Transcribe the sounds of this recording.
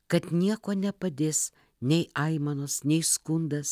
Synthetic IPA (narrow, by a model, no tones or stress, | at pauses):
kɐt̪nʲiɛkoːnʲɛpɐd̪ʲeːs | nʲɛɪɐɪmɐnoːsnʲɛɪskʊnd̪ɐs